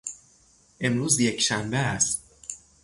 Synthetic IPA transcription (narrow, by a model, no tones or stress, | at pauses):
ʔe̞mɾuːzjecʰʃæmbeæs